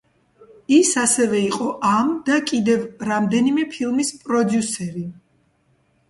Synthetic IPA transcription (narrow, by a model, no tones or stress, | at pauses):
isasɛvɛiqʼɔʔamd̪akʼid̪ɛvɾamd̪ɛnimɛpʰilˠmispʼɾɔd̪jusɛɾi